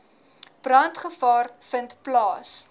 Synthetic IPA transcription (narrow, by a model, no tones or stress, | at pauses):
b̥rɐntχəfɑːrfəntplɑːs